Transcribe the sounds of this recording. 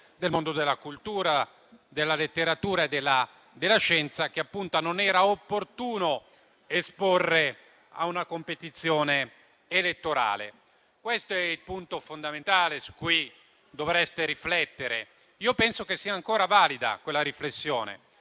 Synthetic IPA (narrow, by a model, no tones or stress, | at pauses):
d̪elmond̪od̪elːakult̪uːɾa | d̪elːalet̪ːeɾat̪uːɾaed̪ːelːa | d̪elːaʃɛnt̪sak̟eapːunt̪ononɛːɾaopːort̪uːno | esporːe | a̰unakompet̪it̪sːjɔːneː | let̪ːoɾa̰ːlḛ | kwest̪oɛilpunt̪ofond̪ament̪aːlesu̥kːuj | d̪ovɾɛst̪eɾiflɛt̪ːeɾḛ | iːopɛnsokesːiːaŋkoːɾavaːlid̪a̰kwelːaɾiflesːjɔːnḛ